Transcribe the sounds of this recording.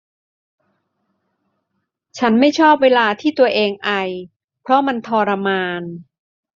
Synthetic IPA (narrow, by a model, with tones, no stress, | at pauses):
t͡ɕʰa˦˥nma˥˩jt͡ɕʰɔː˥˩p̚weː˧laː˧t̪ʰiː˥˩t̪u˧ɐʔeː˧ŋʔa˧j | pʰɾɔ˦˥ma˧nt̪ʰɔː˧ɾa˧maː˧n